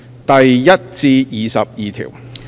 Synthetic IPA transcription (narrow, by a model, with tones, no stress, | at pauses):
t̪ɐ˨jjɐ˥t̚t͡siː˧jiː˨sɐ̰˨p̚jiː˨t̪ʰḭː˨˩w